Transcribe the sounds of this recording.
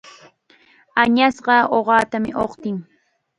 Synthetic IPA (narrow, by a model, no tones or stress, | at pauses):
aɲasɢɑoɢɑːt̪amɪ̰ʔoqt̪ɪŋ